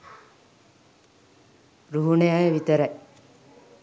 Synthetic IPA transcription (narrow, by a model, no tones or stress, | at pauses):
ɾuɦunejajəʋit̪əɾaj